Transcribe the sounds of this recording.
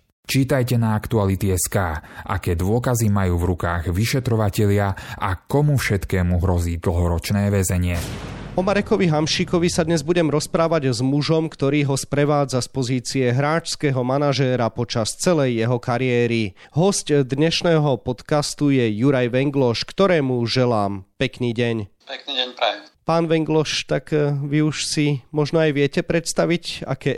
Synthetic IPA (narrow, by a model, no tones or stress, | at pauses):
t͡ʃiːt̪ajcɛnaakt̪ualit̪iɛskaːʔa̰kɛːd̪ʊɔkazimajuːvɾukaːɣʋiʃɛt̪ɾɔʋacɛʎɪaakɔmufʃɛt̪kɛːmuɦɾɔziːd̪l̩ɦɔɾɔt͡ʃnɛːʋɛzɛɲɪɛɔmaɾɛkɔʋiɦamʃikɔʋisad̪ɲɛzbuɟɛmɾɔspɾaːʋaɟzmuʒɔmkt̪ɔɾiːɦɔspɾɛʋaːd͡zaspɔziːt͡siɛɦɾaːt͡ʃskɛɦɔmanaʒɛːɾapɔt͡ʃast͡sɛlɛjːɛɦɔkaɾiɛːɾi | ɦɔscd̪ɲɛʃnɛːɦɔpɔt̪kast̪ujɛjuɾajʋɛŋɡlɔʃkt̪ɔɾɛːmuʒɛlaːmpɛkniːɟɛɲ | pɛkniɟɛɲpɾajpaːnʋɛŋɡlɔʃt̪aɡʋiuʃsimɔʒnɔajʋɪɛcɛpɾɛt̪st̪aʋica̰kɛː